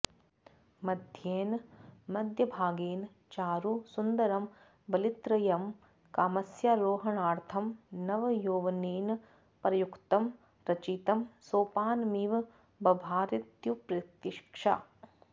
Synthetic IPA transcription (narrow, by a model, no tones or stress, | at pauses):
mɐd̪ʱjeːnmɐd̪ʱjɐbʱaːɡeːn | t͡ʃaːɾusund̪ɐɾɐm | bɐlit̪ɾɐjɐm | kaːmɐsjaɾoːɦɐɳaːɾt̪ʰɐmnɐʋɐjoːʋɐneːn | pɾɐjukt̪ɐm | ɾɐt͡ʃit̪ɐmsoːpaːnmiːʋ | bɐbʱaːɾit̪jupɾɐt̪iʃkʂa̰